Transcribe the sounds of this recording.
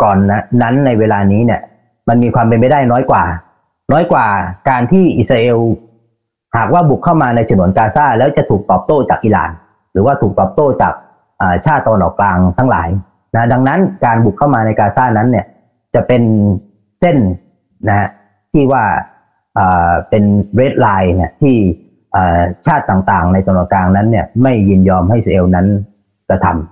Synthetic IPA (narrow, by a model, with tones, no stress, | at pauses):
kɔː˨˩nːa˦˥na˦˥nːa˧jweː˧laː˧niː˦˥ni˥˩ɐ | ma˧nmiː˧kʰwaː˧mpe˧nma˥˩jdaː˥˩jnɔː˦˥jkwaː˨˩ | nɔː˦˥jkwaː˨˩kaː˧nt̪ʰiː˥˩ʔi˨˩t̪̚sɾaː˧ʔeː˧w | haː˨˩k̚waː˥˩bu˨˩kʰːa˥˩wmaː˧na˧jt̪ʰa˧nu˩˦ənkaː˧saː˥˩lɛː˦˥wt͡ɕa˨˩t̪ʰuː˨˩k̚t̪ɔː˨˩p̚t̪oː˥˩t͡ɕaː˨˩k̚ʔiː˧la̰ː˨˩n | ɾɯː˩˦waː˥˩uː˨˩k̚t̪ɔː˨˩p̚t̪oː˥˩t͡ɕa̰ː˨˩k̚ | ʔəː˨˩t͡ɕʰaː˥˩t̪ːa˧wa˧nʔɔː˨˩kːlaː˧ŋt̪ʰa˦˥ŋla̰ː˩˦j | na˦˥da˧ŋna˦˥nkaː˧nbu˨˩kʰːa˥˩wmaː˧na˧jkaː˧saː˥˩na˦˥nːi˥˩ə | t͡ɕa˨˩pe˧n | se˥˩n | na˦˥ha˦˥ʔ | t̪ʰiː˥˩waː˥˩ | ʔəː˨˩pe˧nɾeː˦˥t̪̚laː˧jna˦˥˩t̪ʰiː˥˩ | ʔəː˨˩t͡ɕʰaː˥˩t̪ːaː˨˩ŋt̪aː˨˩ŋna˧jt͡ɕ̪ʰa˧nu˨˩˦nkaː˧ŋna˦˥nːi˥˩ɐma˥˩jːi˥˧˩njɔː˧mha˥˩jsʔe˧wna˦˥n | kɾa˧t̪ʰa̰˧m